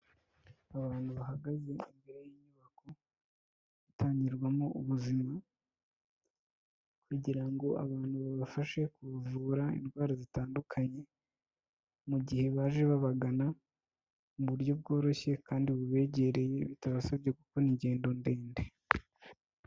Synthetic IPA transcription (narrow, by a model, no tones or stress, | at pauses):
aβaːn̥huβaɦaɡaze̞imbeɾejiɲuβako̞ | utʰaːɲɟiɾɡwamouβuzima | kuɟiɾaŋɡo̞a̰βaːn̥huβaβafaʃe̞kuβvuɾaḭnɡwaːɾazitaːndukʰaɲe̞ | muɟihe̞βaːʒe̞βaβaɡana | muβuɾjo̞b̚ɡo̞ːɾo̞çe̞kaːndiβuβe̞ːɟe̞ɾe̞je̞βitaβasabje̞kuko̞niɟe̞ːndo̞nde̞ːnde